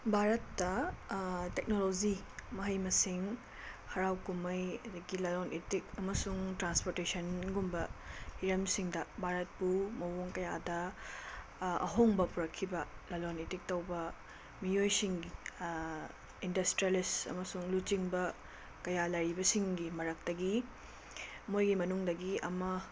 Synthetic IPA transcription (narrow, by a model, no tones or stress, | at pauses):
bʱaɾɐtːɐ | tek̚nolozimɐɦɐjmɐsiŋ | hɐɾawkumɐjɐd̪ɐɡilɐlonʔetikɐmɐsuŋtɾanspoɾtesɐnɡumbɐhiɾɐmsiŋdɐbʱaɾɐt̚pumɐwoŋkɐjadɐ | ɐ̰ɦoŋbɐpuɾɐkʰːibɐlɐlonetik̚tɐwbɐ | mijojsiŋɡi | indɐstɾijalisɐ̰mɐsuŋlut͡ʃiŋbɐ | kɐjalɐɾibɐsiŋɡimɐɾɐk̚tɐɡi | mojɡimɐnuŋdɐɡiɐ̰mɐ